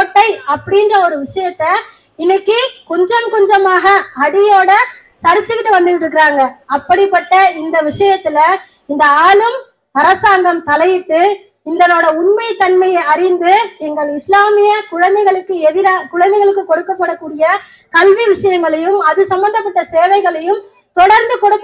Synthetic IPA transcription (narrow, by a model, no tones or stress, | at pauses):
oːʈːɐɪɐpːɐɽɪndrɐɔɾɯʋɪʂɐjɐt̪ːɐ | ɪnːɐkːɯkɔɲd͡ʒɐmkɔɲd͡ʒɐmaːɣɐɐɽɪjoːɽɐ | sɐɾɪt͡ʃːɯkɪʈːɯʋɐnd̪ɯɣɪʈɾɯkːɪɾaːŋɡɐɐpːɐɽɪpːɐʈːɐɪnd̪ɐʋɪʂɐjɐt̪ːɪlɐ | ɪnd̪ɐaːlɯm | ɐɾɐsaːŋɡɐmt̪ɐlɐjɪʈːɯ | ɪnd̪ɐnoːɽɐʊɳmɐɪt̪ːɐɳmɐjɐɪɐɾɪnd̪ɯniːŋɡɐɭɪslaːmɪjɐkʊɻɐnd̪ɐɪɣɐɭɯkːɯɛðɪɾaːkʊɻɐnd̪ɛɪɣɐɭɯkːɯkːɔɽɯkːɐpːɐɽɐkːuːɽɪjɐ | kɐlʋiʋɪʂɐjɐŋɡɐɭɐjɯmɐðɯsɐmbɐnd̪ɐp̬ːɐʈːɐseːʋɐɪɣɐɭɐjɯm | t̪ɔɽɐɾnd̪ɯkɔɽɯ